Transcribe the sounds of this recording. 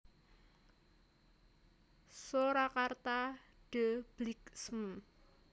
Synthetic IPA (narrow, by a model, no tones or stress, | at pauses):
soɾakart̪aɖ̥əb̥liksm̩